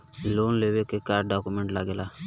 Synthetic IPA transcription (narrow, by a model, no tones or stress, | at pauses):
loːnlewekekaːɾɖɖakumeɳʈlaɡela